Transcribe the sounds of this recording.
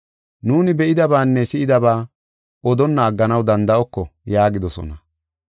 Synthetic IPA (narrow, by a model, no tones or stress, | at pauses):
nuːnɪbɛʔɪd̪ɐbaːnːɛsɪʔɪd̪ɐbaː | ɔd̪ɔnːɐːɡːɐnɐwd̪ɐnd̪ɐʔɔkːɔjaːɡɪd̪ɔsɔ̰nɐ